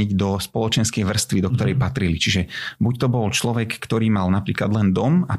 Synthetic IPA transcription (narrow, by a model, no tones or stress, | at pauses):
ɟd̪ɔspɔlɔt͡ʃɛnskɛjʋr̩st̪ʋid̪ɔk̚t̪ɔɾɛjpat̪ɾilit͡ʃiʒɛbuct̪ɔbɔlt͡ʃlɔʋɛkːt̪ɔɾiːmalnapɾiːklad̪lɛnd̪ɔma